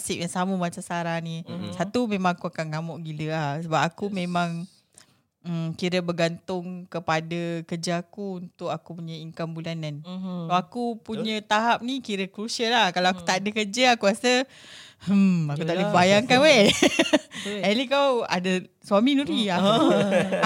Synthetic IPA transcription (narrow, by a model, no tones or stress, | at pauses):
sɪp̚jaŋsaməmasasaɾahnisat̪umemaŋakuakanŋamɔʔɡiləahsəbapakumẽmãŋ | əmkiɾəbəɡant̪ʊŋkəpadakərd͡ʒaakuunt̪ʊkakupuɲə̃iŋkambulananawakupuɲə̃t̪aɦap̚nikiɾəkɾusialahkalawaku̥t̪aʔadəkərd͡ʒəakukasə | əakut̪alibajaŋkanwe | ɛlikawa̰də | swaminuɾia